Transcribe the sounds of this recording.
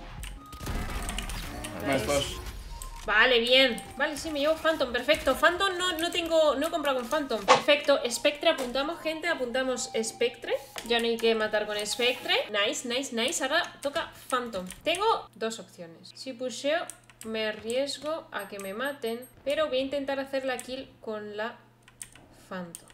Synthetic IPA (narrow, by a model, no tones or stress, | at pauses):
ao | bale̞βje̞nbale̞simeʝeβofant̪ompe̞ɾfe̞k̚t̪o̞fant̪onːono̞t̪e̞ŋɡono̞ko̞mpɾaɣeɱfant̪ompeɾfe̞k̚t̪o̞ʔe̞spek̚t̪ɾeapunt̪amo̞sxẽ̞nt̪e̞apunt̪amo̞se̞spekt̪ɾeʝanoajke̞mat̪aɾko̞ne̞spek̚t̪ɾenajsnajsnajsaɾat̪o̞kafant̪oŋt̪e̞ŋɡo̞d̪o̞sopθjo̞ne̞ssipuseomearje̞zɣo̞ake̞mẽ̞mat̪e̞ŋpe̞ɾo̞βo̞jaint̪e̞nt̪aɾaθe̞ɾlakilko̞nla | fant̪oŋ